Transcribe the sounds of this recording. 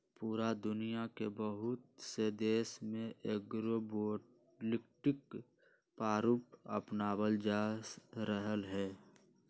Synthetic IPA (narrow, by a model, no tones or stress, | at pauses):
puːɾad̪ʊnijakebəɦʊt̪̚sed̪eːsmẽʔeɡɾoboːʈ | lɪkʈɪk | paːɾup̚ə̰pnaːbəld͡ʒaːɾəɦəlɦɛː